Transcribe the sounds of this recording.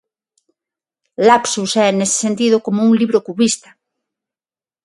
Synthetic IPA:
lapsusɛenesɪ̥sent̪ið̞okomouŋliβɾokuβist̪ḁ

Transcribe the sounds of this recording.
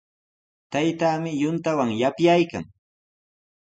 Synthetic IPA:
t̪ajt̪aːmɪjʊnt̪awaŋjapjajka̰ŋ

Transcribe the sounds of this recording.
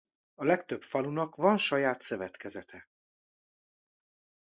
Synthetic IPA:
ɒlɛkt̪øpfɒlunɒkvɒnʃɒjaːt̪sø̞vɛt̪kɛzɛt̪ʰɛ

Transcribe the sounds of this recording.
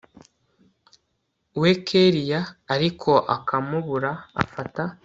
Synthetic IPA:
wekʰeɾijaːɾikʰo̞ʔa̰kamuβuɾa̰ːfata

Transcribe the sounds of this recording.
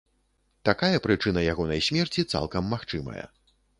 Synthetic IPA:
t̪akajɐpɾɨt͡ʂɨnɐjaɣɔnɐjsʲmʲɛrt͡sʲit̪sa̰lˠkɐmːaxt͡ʂɨmɐ̰jɐ̰

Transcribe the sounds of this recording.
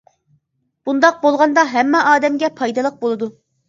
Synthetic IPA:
b̥und̪ɑq̚bolˠʁɑnd̪ɑɦɛmːɛʔɑːd̪ɛmɡʲɛpʰɑjd̪ɨlˠəq̚bolˠɨd̪u

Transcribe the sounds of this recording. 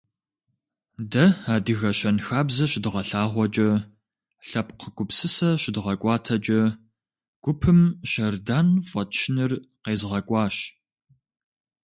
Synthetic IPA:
dɐaːdɨɣɐɕɐnxaːbzɐɕɪdɨʁɐɬaːʁʷɔt͡ʃʼɐ | ɬɐpqəɡʷʊpsɨsɐɕɪdɨʁɐkʷʼɑːtʰɐt͡ʃʼɐ | ɡ̥ʷʊpʰɨmʃɐrdaːnfʷʼɐtʰʃɪnɨrqeːzʁɐkʷʼɑːɕ

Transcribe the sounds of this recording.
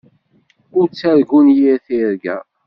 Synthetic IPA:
ʊɾt͡sːæɾɡunjiɾθiɾɡæ̰

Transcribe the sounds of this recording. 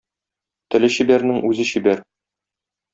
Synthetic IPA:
t̪ɘ̆lɘɕibæɾnɘŋʉzɘɕibæɾ

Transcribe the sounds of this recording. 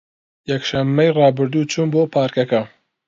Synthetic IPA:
jɐkʃɐmːɐjrɑːbɨɾd̪uːt͡ʃʰuːnboːpʰɑːɾkɐkɐ

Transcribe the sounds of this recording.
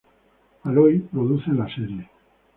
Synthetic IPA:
alojpɾoðuθe̞nlaseɾje̞

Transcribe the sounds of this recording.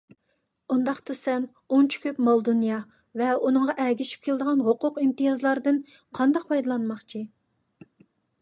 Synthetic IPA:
und̪ɑqt̪ɨsɛm | ont͡ʃʰy̥kʲʰøpmɑlˠd̪unjɑ | vɛunɨŋʁɑʔɛɡʲiʃi̥p̚kʲʰeld̪əʁɑnɦoqʊqimt̪ɨjɑzlˠɑɾd̪ɨn | qʰɑnd̪ɑq̚pʰɑjd̪ɑlˠɑnmɑχt͡ʃʰi

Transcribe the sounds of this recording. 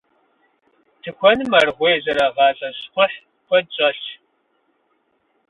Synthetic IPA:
tʰɨxʷɔnɨmɐrʁʷeːzɐɾɐʁɑːɕʼɐɕχʷʊħ | kʷɔdɕʼɐɬ

